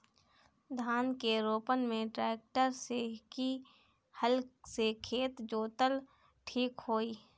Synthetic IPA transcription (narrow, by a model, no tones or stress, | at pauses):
d̪ʱaːnkeɾoːpənmẽʈɾɛːk̚ʈəɾseki | həlsekʰeːt̪d͡ʒoːt̪əl | ʈʰiːkhoːiː